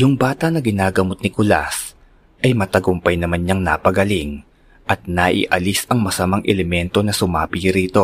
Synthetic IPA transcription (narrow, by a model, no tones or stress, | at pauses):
jʊŋbaːt̪ɐnɐɡɪnaːɡɐmot̪̚nɪkʊla̰s | ʔɐjmɐt̪ɐɡʊmpɐjnɐmanɲɐŋna̰pɐɡɐliŋ | ʔɐt̪̚naʔḭʔɐlisɐŋmɐsɐmaŋʔɛlɛmɛnt̪o̞nɐsʊmaːpiɾiːt̪o̞